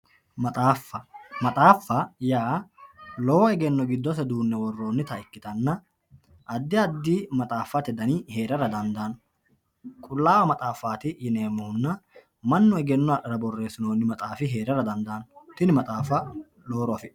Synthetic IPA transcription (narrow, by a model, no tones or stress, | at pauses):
mɐt̪ʼaːfːɐmɐt̪ʼaːfːɐjaː | lɔːwɔɛɡɛnːɔɡɪd̪ːɔsɛd̪uːnːɛwɔrːo̞ːnːɪt̪ɐɪkːɪt̪ɐnːɐ | ʔɐd̪ːɪɐd̪ːiːmɐt̪ʼaːfːat̪ɪd̪ɐnihe̞ːɾɐɾɐd̪ɐnd̪aːnɔ | kʼʊlːaːwɐmɐt̪ʼaːfːaːt̪ɪjɪneːmːɔhʊnːɐ | mɐnːɔɛɡɛnːɔɐɗɐɾɐbɔrːe̞ːsɪno̞ːnːɪmɐt̪ʼaːfɪɦe̞ːɾɐɾɐd̪ɐnd̪aːnɔt̪ɪnɪmɐt̪ʼaːfːɐ | lo̞ːɾɔɐfɪ